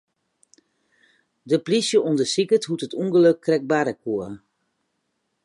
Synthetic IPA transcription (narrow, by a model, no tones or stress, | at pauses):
dəplisjəʔundəsikəthutətuŋɡəløkʰːrɛk̚baɾəkʰuə